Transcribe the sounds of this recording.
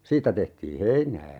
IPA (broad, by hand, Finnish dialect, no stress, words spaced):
siːtːæ tehtiː heinæː